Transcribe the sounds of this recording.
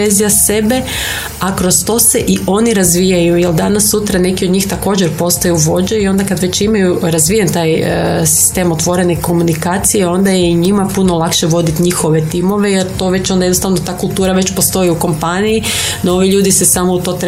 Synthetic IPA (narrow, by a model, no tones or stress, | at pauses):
ezijase̞be̞ | akɾost̪o̞ːse̞ʔio̞niɾazʋijajujeld̪anasːut̪ɾane̞kiod̪ɲiːxt̪ako̞ːd͡ʑeɾpo̞st̪ajuʋo̞d͡ʑeio̞nd̪akad̪ʋe̞t͡ɕimajuɾazʋijant̪aːjsi̥st̪e̞mo̞t̪ʋo̞ɾe̞neko̞munikaːt̪sijeo̞nd̪ajeiɲimapunolˠakʃeʋo̞d̪it̪ɲixo̞ʋe̞t̪imo̞ʋe̞jeɾt̪o̞ʋe̞t͡ɕo̞nd̪ajenost̪aʋnot̪aːkulˠt̪uːɾaʋe̞t͡ɕpo̞st̪o̞iuko̞mpaniji | noo̞ʋiʎuːd̪isesamout̪o̞ːt̪ɾ